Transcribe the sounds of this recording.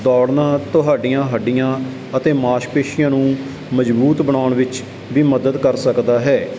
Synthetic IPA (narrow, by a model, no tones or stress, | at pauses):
d̪ɔːɽnãːt̪ʊɦaːɖɪjãːɦəɖɪjãː | ət̪eːmaːʃkpeːʃɪjãːnũː | məd͡ʒbuːt̪bəɳaːʊɳʋɪt͡ʃ | ʋiːməd̪əd̪kəɾsəkd̪aːɦɛː